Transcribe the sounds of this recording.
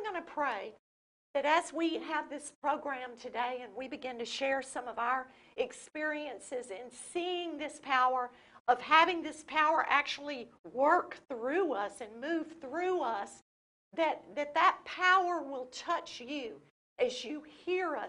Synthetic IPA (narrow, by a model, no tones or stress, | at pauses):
ɡʌñɨpʰɹ̥eɪ | ðɨɾɨzwiɨvðɪspʰɹ̥oʊɡɹæ̃mtʰɨdeɪɨ̃nwibɨɡɪ̃ntɨʃɛɹsʌ̃mʌvaʊə˞ | ɨkspɪɹiɨ̃nsɪzɨ̃nsiɪ̃ŋðɪspʰaʊə˞ | ʔʌv̥hævɪ̃ŋðɪspʰaʊə˞ʔæk̚t͡ʃul̩ˠiwɜ˞kθɹʉʌsɨ̃nmʉv̥θɹʉʌs | ðɨt̪̚ðɨt̪̚ðɨt̚pʰaʊə˞wɪlˠtʰʌt͡ʃjʉ | ʔɨzjɨhiɹʌ